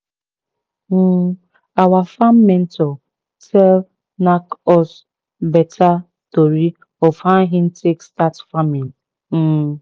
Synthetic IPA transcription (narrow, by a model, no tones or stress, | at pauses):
m̩ | awafamːɛ̃n̩tʰɔ | tʰɛl | nakɔs | bɛtʰa | toɾi | ɔfãnɦĩn̩tekstatfamil̩